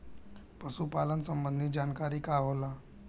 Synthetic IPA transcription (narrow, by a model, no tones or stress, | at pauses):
pɐsupaːlənsə̃mbə̃nd̪ʱid͡ʒaːnkaːɾikaɦoːlaː